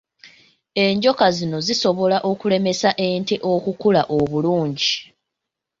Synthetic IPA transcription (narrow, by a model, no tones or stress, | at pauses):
e̞ɲɟo̞kazino̞ziso̞βo̞laʔo̞kule̞me̞saʔeːnteʔo̞kukulaʔoβuluːɲɟi